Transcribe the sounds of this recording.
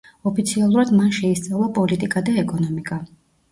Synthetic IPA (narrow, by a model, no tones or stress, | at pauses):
ɔpʰit̪sʰialˠuɾad̪manʃɛist̪sʼavlˠapʼɔlit̪ʼikʼad̪aɛkʼɔnɔmikʼa